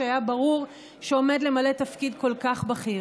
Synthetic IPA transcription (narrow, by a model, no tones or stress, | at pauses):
ajabaʁuʁ | ʃeo̞me̞dle̞male̞t̪afkidko̞lkaχbaχi